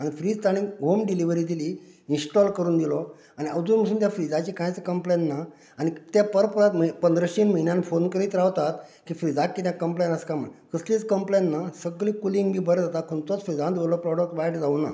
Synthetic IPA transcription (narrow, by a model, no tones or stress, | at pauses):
aɽ̃ifɾiːd͡zʈ̪aɽĩŋɡɦomɖiliʋəɾiːd̪ili | insʈɔlkəɾuːnd̪ilɔ | añiəʋd͡zuɾm̤əsuːnt̪̬jafɾid͡zat͡ɕikãjt͡səkəmplenːa | añit̪japəɾpəɾat̪mpənd̪ɾəɕiːnməɦinjãnfonkəɾiːt̪ɾaʋt̪at̪kiːfɾid͡zakkːiːt̪jãkəmplenəskam̤ə̰ɳkəslit͡skəmplenːasəɡliːkuliŋɡmiːbəɾd͡zat̪at̪̚kʰunt͡s̪ɔt͡sfɾid͡zãnd̪ʋolɔpɾɔɽək̚ʈʋaeʈd͡zauna̰